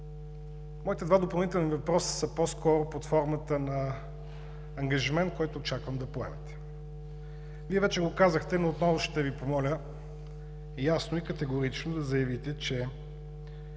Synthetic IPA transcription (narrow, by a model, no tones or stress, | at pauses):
mɔit̪ɛd̪vad̪opɐlˠnit̪ɛlˠnivɐpɾɔsə̥səposkɔɾopot̪fɔɾmət̪ənɐ | ŋɡɐʒimɛnt̪̚kɔjt̪oːt͡ʃakvəmd̪ɐpoɛ̰mɛt̪ɛ̥ | viɛvɛt͡ʃɛɡokazəxt̪ɛnoːt̪nɔvʊʃt̪ɛvipomɔlʲə | jasnoikɐt̪ɛɡoɾit͡ʃnod̪ɐzɐjɐvit̪ɛt͡ʃɛ